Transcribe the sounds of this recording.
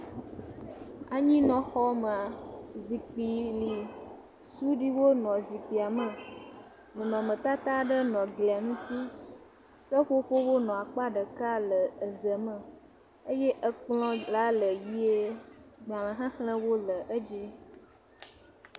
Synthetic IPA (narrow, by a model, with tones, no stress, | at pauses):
a˨ɲĩ˦nɔ̃˨xɔ˦mə˨a˨zi˨k͡pi˨li˨ | su˦ɖi˦wo˦nɔ̃˨zi˨k͡pi˨a˨mə˨ | mũ˨nɔ̃˨mə̃˨t̪a˦t̪a˦ɖə˦nɔ̃˨ɡlɛ˨a˨ŋũ˦t̪i˦ | sə˦ɸo˦ɸo˦wo˦nɔ̃˨a˨k͡pa˦ɖə˨ka˦lə˨ə˨zə˨mə˨ | ə˦je˦ʔə˦k͡plɔ̃˦la˦lə˨ji˦e˦ɡ͡ba˨lə̃˨ɦã˦xlə̃˦wo˦lə˨ʔə˦d͡ʒi˦